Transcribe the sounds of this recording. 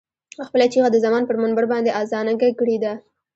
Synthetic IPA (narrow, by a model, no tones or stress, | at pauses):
axpəlat͡ʃiɣad̪əzamɑnpəɾmanbaɾbɑnd̪eʔɑzɑnaɡakɽid̪a